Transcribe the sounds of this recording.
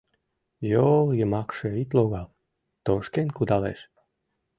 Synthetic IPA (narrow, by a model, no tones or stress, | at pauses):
joljəmɑkʃĕit̪loɣɑlˠ | t̪oʃkenʲkud̪ɑlḛʃ